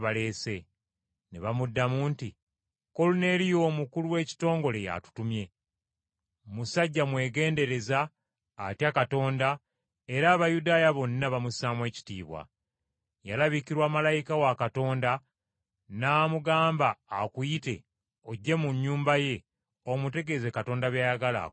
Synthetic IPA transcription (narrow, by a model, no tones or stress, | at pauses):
βale̞ːse̞ | nḛβamudːamuːnti | ko̞lune̞ɾijo̞ːmukuluwe̞ːci̥to̞ːŋɡo̞le̞ja̰tu̥tumje̞ | musaɟːamwe̞ːɡe̞ːnde̞ɾe̞zaː | tjakato̞ːnda | e̞ɾaːβajudaːjaβo̞nːaβamusaːmwe̞ːci̥tḭːβwa̰ | jalaβikiɾwaːmalajikawakato̞ːnda | naːmuɡaːmbaːkujite̞̰ | oɟːe̞muɲːuːmbaje̞ | omute̞ɡe̞ze̞kato̞ːndaβjajaɡala̰